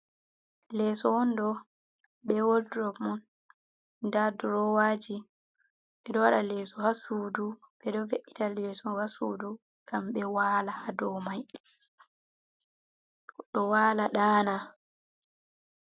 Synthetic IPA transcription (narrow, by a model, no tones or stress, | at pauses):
lɛːsɔwɔndɔ | ɓɛwoldɾɔkmɔn | daduɾɔwaːd͡ʒi | ɓɛɗɔwaɗalɛsɔhasudu | ɓɛɗɔveʔːitalɛsɔhasṵːdu | ɡ̥amɓɛwaːlahadɔmaj | ɗɔwaːlaɗaːna